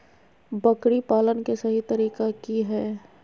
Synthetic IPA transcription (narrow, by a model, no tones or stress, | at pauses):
bəkɽipaːlənkesɐɦit̪əɾiːkakiɦɛː